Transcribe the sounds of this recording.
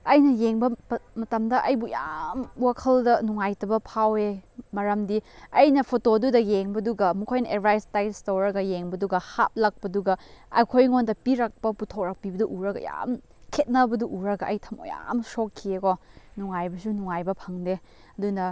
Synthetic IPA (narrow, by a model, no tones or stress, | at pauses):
ɐjnɐjeŋbɐmɐtɐmdɐʔɐjbujamwakʰɐldɐnuŋajtɐbɐpʰawemɐɾɐmdiɐjnɐpʰotodudɐjeŋbɐduɡɐmukʰojnɐʔeɾbɾajstajstowɾɐɡɐjeŋbɐduɡɐhap̚lɐk̚pɐduɡɐɐ̰jkʰojŋondɐpiɾak̚pɐputʰok̚ɾak̚pibɐduʔuɾɐɡɐ̰ja̰m | kʰet̚nɐbɐduʔuɾɐɡɐʔɐ̰jtʰɐmo̰ja̰msokʰːiekɔnuŋajbɐsunuŋajbɐpʰɐŋde | ɐdunɐ